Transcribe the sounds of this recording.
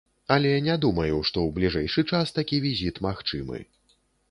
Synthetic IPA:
ɐlʲɛjanʲɛd̪umɐjuʂt̪ɔwblʲiʐɛjʂɨt͡ʂast̪akʲivʲizʲit̪maxt͡ʂɨmɨ̰

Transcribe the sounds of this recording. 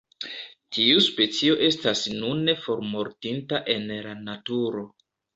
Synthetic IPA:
tʰiuspe̞t͡sio̞ʔe̞stasnunːe̞fo̞ɾmo̞ɾtintaʔe̞nlanatuɾo̞

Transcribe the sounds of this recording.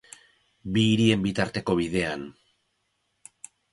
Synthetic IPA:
biːɾie̞mbit̪aɾt̪e̞ko̞βiðe̞an

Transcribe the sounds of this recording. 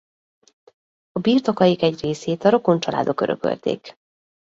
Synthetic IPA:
ɒbiːrt̪o̞kɒjikɛɟreːseːt̪ɒɾo̞ko̞nt͡ʃɒla̰ːd̪o̞kø̞ɾʔø̰kø̰lt̪ḛːk

